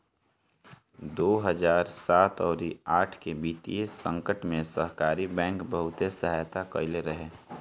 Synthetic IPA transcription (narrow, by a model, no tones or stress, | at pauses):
d̪oːɦəd͡ʒaːɾsaːt̪ɔːɾiaːʈʰkebiːt̪ḭjesə̃ŋkəʈmẽsəɦkaːɾibɛ̃ːŋkbəɦʊt̪esəɦaːjt̪akəɪleɾəɦe